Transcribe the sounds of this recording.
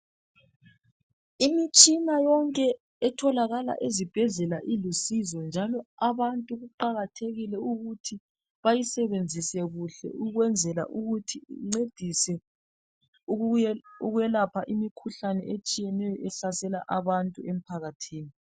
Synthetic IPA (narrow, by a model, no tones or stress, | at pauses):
imit͡ʃʼinajɔŋkʼɛ | ɛtʰɔlaɣala̰ʔezib̥ʱɛɮɛlaʔilusizɔnd͡ʒʱalɔaβantʼuɣuǃaɣatʰeɣilɛuɣutʰi | βajisɛβend͡zʱisɛɣuɬɛ̰uɣwɛnd͡zʱɛla̰ʔuɣutʰḭŋ͡ǀed̥ʱisɛ | uɣɛlapʰaʔimikʰuɬanɛʔet͡ʃʼijɛnɛjɔʔɛsasɛla̰ʔaβantʼuem̩pʰaɣatʰiːni